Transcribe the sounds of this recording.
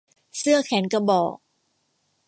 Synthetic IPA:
sɯ˥˩ɐkʰɛ˩˦nka˧˩bɔː˨˩k̚

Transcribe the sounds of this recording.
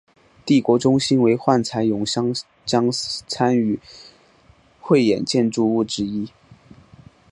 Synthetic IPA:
t̪i˥˩kwɔ˧˥ʈ͡ʂʊ˥ŋɕi˥nwe˧˥ɪxwa˥˩nt͡sʰa˧˥ɪjʊ˨˩ŋɕɑ˥ŋ | t͡ɕjɑ˥ŋt͡sʰa˥ny˨˧˩ | xwe˥˩ɪjɛ̰˨˩nt͡ɕjɛ˥˧nʈ͡ʂu˥˧u˥˩ʈ͡ʂɻ̩˥i˥

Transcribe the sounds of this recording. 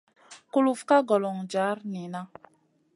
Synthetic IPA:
ku˦lu˨fka˦ɡɔ˨lɔ˨ŋd͡ʒa˨˦ɾni˨na˦

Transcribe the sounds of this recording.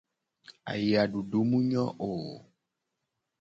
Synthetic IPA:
a̰˨ji˨a˨ɖu˨ɖu˨˦mũ˦ɲɔ̃˦ʔo˨

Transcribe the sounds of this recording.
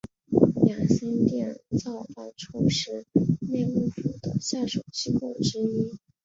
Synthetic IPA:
ja˨˩sə˥nt̪jɛ˥˩ə̰˨˩t͡sɑ˥˩ʊfa˥nʈ͡ʂʰu˥ʂɻ̩˥˩ne˥˩ɪkʊ˥fu˥d̪ə˩ɕja˥˩ʂo˨˩ʊt͡ɕi˥kwɔ˥˩ʈ͡ʂɻ̩˥i˥

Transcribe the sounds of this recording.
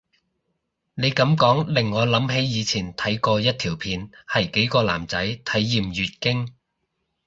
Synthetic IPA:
ne˨˧jkɐ˨˥mkɔː˨˥ŋlɪ˨˩ŋːɔː˨˧lɐ˨˥mɦe˨˥jjiː˨˧t͡sʰiː˨˩nt̪ʰɐ˨˥jkɔː˧jɐ˥t̚t̪ʰiː˨˩wpʰiː˨˧nhɐ˨jke˨˥jkɔː˧la̰ː˨˩mt͡sɐ˨˥jt̪ʰɐ˨˥jːiː˨mjyː˨t̚kɪ˥ŋ

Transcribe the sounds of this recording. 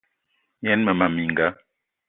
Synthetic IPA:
jɛ˨˦nmə˨ma˨mi˨ŋ˨ɡa˨˦

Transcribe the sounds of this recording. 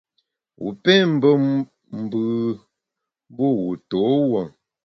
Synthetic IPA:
wṵ˨pɛ˦m̩˦bə˦ | m̩˨bɯ˨˦ | bo˦˨wu˨to˨˦wə˨

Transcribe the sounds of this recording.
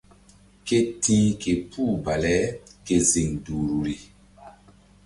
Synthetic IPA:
ke˦tiː˦ke˨pʰu˦˨ba˨lɛ˦ke˨zi˨ŋduː˨ɾu˨ɾi˨

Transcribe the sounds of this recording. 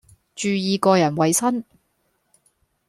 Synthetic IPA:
t͡ʃyː˧jiː˨˧kɔː˧jɐ˨˩nwɐ˨jsɐ˥n

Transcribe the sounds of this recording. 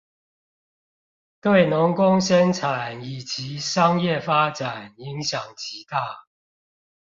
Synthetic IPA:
t̪we˥˨˩ɪnʊ˨˧˦ŋkʊ˦ŋɕɛ˥˦nʈ͡ʂʰa˨˩˦ni˨˩t͡ɕi˨˦ʂɑ˦ŋjɛ˥˨fa˥ʈ͡ʂa˨˩ni˨˦ŋɕjɑ˨˩ŋt͡ɕi˨˦t̪a˥˩

